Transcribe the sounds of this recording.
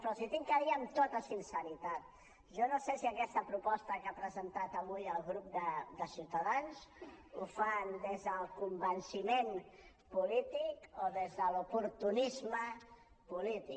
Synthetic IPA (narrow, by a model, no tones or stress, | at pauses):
pɾɔsit̪iŋkəɾiəmt̪ot̪əsinsəɾit̪at̪̚ | ʒonosesiəkɛst̪əpɾupɔst̪əkapɾəzənt̪at̪əβujəlˠɣɾup̚d̪əd̪əsiwt̪əðanzufand̪ezðəlˠkumbənsimen | pulit̪ikoðezðəlupuɾt̪unizmə | pulit̪ik